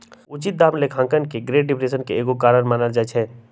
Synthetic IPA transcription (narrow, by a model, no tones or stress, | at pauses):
ʊt͡ʃit̪̚d̪aːmlekʰãːŋkənkeɡɾeːʈ̚ɖɪpɾeːsənkeeːɡokaːɾəɾmaːnəld͡ʒat͡ʃʰɛː